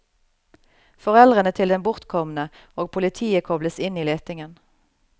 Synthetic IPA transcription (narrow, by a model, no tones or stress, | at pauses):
fɔʁɛlʁənət̪ʰɪld̪ɛnbʊʁt̪kʰɔmnə | oːɡ̚pʰʊlɪt̪ʰiːəkʰɔbləsɪniːleːt̪ɪŋən